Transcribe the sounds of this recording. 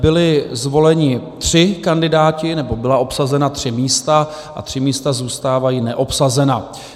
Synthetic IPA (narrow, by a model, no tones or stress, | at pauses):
bɪlɪzvo̞lɛɲɪt̪r̝̥ɪkandɪdaːcɪnɛbo̞bɪlaʔo̞psazɛnat̪r̝̥ɪmiːst̪a | ʔa̰t̪r̝̥ɪmiːst̪azuːst̪aːvajiːnɛʔo̞psazɛna